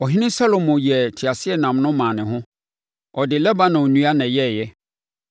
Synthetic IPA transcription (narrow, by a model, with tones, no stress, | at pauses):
ɔ˨ɦɪ̃˦nɪ̃˦sa˦lo˨mʊ̃˨jɛ˨tʰi˨a˨sɪ˦ɛ˦˨nã˨m˨nʊ̃˦mã˨nɪ̃˨ɦʊ̃˦ | ɔ˨dɪ˨lɛ˦ba˦nã˨ɔ˨nũ˦a˦nã˨jɛ˦˨jɛ˦